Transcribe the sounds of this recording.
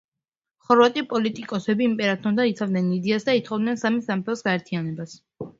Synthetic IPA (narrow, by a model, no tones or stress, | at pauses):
χɔɾvat̪ʼipʼɔlit̪ʼikʼɔsɛbiːmpʼɛɾat̪ʰɔnd̪ait̪sʰavd̪nɛnid̪ɛasd̪ait̪ʰχɔvd̪nɛnsamisampʰɛsɡaɛɾt̪ʰianɛbas